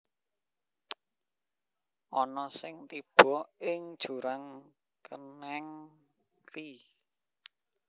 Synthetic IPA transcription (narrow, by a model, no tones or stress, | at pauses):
ʔɔnɔsɪŋt̪ib̥ɔ̤ɪŋd̥ʒ̥ṳɾaŋ | kənɛŋ | ri